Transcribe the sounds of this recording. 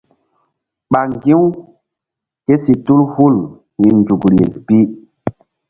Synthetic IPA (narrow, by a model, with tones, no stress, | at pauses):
ɓa˨ŋɡi˦w | ke˦si˨tu˦lhu˦˨l | wi˨nd͡ʒu˨ɡɾi˨ḛ˨pi˦